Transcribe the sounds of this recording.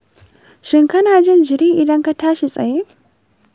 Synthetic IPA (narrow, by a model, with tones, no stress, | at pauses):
ʃɪ˨ŋkɐ˦naː˨d͡ʒɐ˦nd͡ʒɪ˨ɾiː˦ʔi˨dɐ˦ŋkɐ˦taː˦ʃi˨t͡sʼɐ̰˨je˦